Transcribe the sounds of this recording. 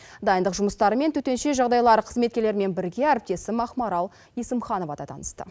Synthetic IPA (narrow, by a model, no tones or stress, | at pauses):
d̪ɑjənd̪əqʒʊməst̪ɑɾəme̞nt̪ʰɵt̪e̞nʃe̞ʒɑʁd̪ɑjlˠɑɾəqʰəzme̞t̪̚kʲe̞ɾleɾɪme̞nbɪɾɡʲe̞æɾɪp̚t̪e̞sɪmɑχmɑɾɑlˠ | esəmχɑno̞vɑd̪ɑ̰t̪ʰɑ̰nə̥st̪ə̰